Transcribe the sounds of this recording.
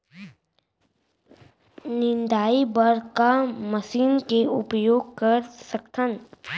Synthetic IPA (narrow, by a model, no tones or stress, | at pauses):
nɪ̃nd̪aːibəɾkaməsiːnkeʊpjoːɡ̚kəɾsəkt̪ʰən